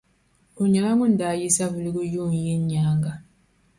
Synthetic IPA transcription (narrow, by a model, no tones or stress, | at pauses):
oɲalaŋɡundajisaβulikujuɲjeɲːaːŋɡa